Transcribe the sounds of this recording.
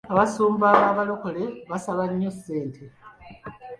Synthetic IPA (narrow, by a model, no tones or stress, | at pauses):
aβasuːmbaβaːβaloko̞le̞βasaβaɲːose̞ːntʰe̞